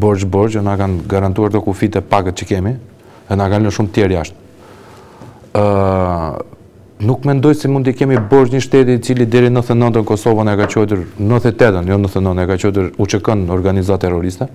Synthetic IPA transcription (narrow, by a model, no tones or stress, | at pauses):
bɔɾd͡ʒbɔɾd͡ʑɔnakanɡaɾant̪uaɾt̪ɔkufid̪ɛpaɡət̪t͡ɕəkɛmi | ðɛnakalnəʃumt̪jɛɾjaʃt̪̚ | nukmɛnd̪ɔjsɛmund̪ikɛmibɔɾd͡ʒɲəʃt̪ɛt̪iːt͡silid̪ɛɾinəθənɔnd̪ənkɔsɔvənɛkat͡ɕɔt̪uɾnəθɛt̪ɛd̪ənjɔnəθənɔnɛkat͡ɕɔt̪̬əɾut͡ʃəkɔnɔɾɡanizat̪ɛrɔɾist̪ɛ